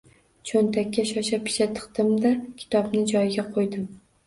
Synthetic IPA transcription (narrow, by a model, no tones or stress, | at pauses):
t͡ʃʰont̪ʰakʲʰːaʃɒʃapʰɪ̥ʃat̪ʰɨ̥qt̪ɪmd̪akʲʰɪ̥t̪ʰɒbnɪd͡ʒɒjɡʲaqʰojd̪ɪm